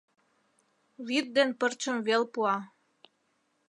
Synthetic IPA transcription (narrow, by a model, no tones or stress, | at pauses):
βit̪̚d̪enpərt͡ɕə̆mvelpuɑ